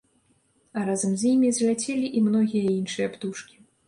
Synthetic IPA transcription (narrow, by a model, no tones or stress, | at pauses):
aɾazɐmzʲjimʲizʲlʲat͡sʲɛlʲiʔimnɔɣʲijɐinʂɨjɐpt̪uʂkʲi̥